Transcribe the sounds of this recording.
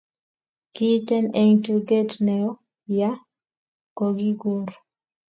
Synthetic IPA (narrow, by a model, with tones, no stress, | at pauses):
ki˦tɛ˦nɛ˦ŋtu˨ɡe˦tnɛ˨ɔ˦ | ja˦ | ko˨ɡi˦ɡu˦nɾ